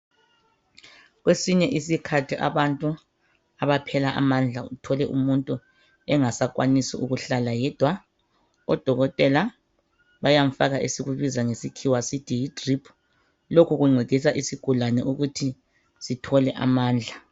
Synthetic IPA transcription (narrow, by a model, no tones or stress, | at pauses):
ɣwesiɲɛʔisikʰatʰiʔa̰βantʼu | aβapʰɛlaʔa̰mand͡ɮʱautʰɔlɛʔṵmuntʼu | ɛŋasak̬ʼwanisiʔuɣuɬalajɛd̥ʱwa | ɔd̥ʱɔɣɔtʼɛla | βajam̩faɣaʔesiɣuβizaŋesikʰiwasitʼijitʼripʰu̥ | lokʰuɣuŋ͡ǀʱiɣʱis̬aʔisiɡ̥ʱulanɛʔuɣutʰi | sitʰɔlɛʔa̰maːnd͡ɮʱa